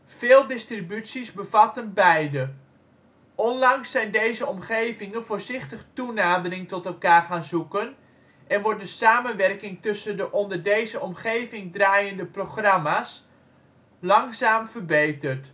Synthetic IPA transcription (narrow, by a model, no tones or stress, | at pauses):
v̥ɪːlˠdɪstribytsizbəvɑtənbɛjdə | ʔɔnlɑŋsːɛjndejzəɔmχejvɪŋənvoːɹzɪχtəχtunaːdərɪŋtɔtɛlˠkaːrχaːnzukən | ʔɛnʋɔɹdəsaːmənʋɛrkɪŋtɵsəndəʔɔndəɹdejzəʔɔmχejvɪŋdraːjəndəproχrɑmaːs | lɑŋzaːmvərbejtərt